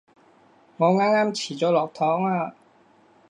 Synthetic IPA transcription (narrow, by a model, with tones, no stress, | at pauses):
ŋɔː˧ŋaː˧˥ŋaː˧˥˨mt͡ɕʰiː˨˩˦t͡ɕo˧lɔː˨˩k̚t̪ʰɔː˨˦˥ŋaː˧˩